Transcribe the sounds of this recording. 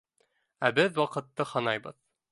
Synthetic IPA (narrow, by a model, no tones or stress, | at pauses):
æbɘðwɑqɤ̆t̪ːɤhɤnɑjbɤð